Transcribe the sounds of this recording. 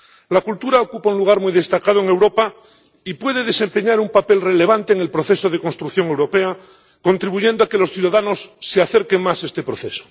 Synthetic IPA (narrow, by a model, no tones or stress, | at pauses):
lakult̪uɾaokupaunluɣaɾmuijðe̞st̪akað̞oeŋe̞wɾo̞pa | ipwe̞ðe̞ðe̞se̞mpe̞ɲaɾumpape̞lre̞le̞β̞ant̪eːŋe̞lpɾoθe̞so̞ð̞e̞ko̞nst̪ɾukθjo̞ŋe̞wɾo̞pe̞a | ko̞nt̪ɾiβuʝe̞nd̪oake̞lo̞sθjuðaðano̞sːeaθeɾke̞ŋmase̞st̪e̞pɾo̞θe̞so̥